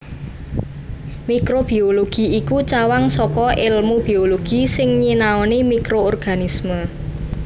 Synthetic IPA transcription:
mikɾob̥i̤oloɡ̥i̤ikut͡ʃawaŋsɔkɔʔɪlmub̥i̤oloɡ̥isɪŋɲinaɔnimikɾoːrɡ̥a̤nismə

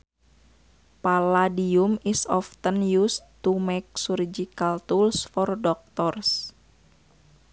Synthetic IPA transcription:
paladiumisɔft̪ənjust̪umek̚surd͡ʒikalt̪ulsfɔrdɔk̚t̪ɔrs

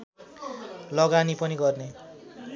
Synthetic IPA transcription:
lʌɡanipʌniɡʌrne

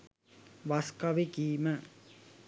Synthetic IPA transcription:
ʋaskaʋekiːmə

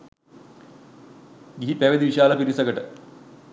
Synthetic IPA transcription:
ɡiipeʋɐd̪iʋiɕaːlɐpiɾisɐɡɐʈɨ

